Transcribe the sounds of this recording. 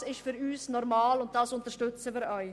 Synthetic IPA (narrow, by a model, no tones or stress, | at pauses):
sɪʃtfyːɾyːsnɔʁmaːlʊnt̚d̥ɑsʊntəʃtʏt͡səviːɾɔʏ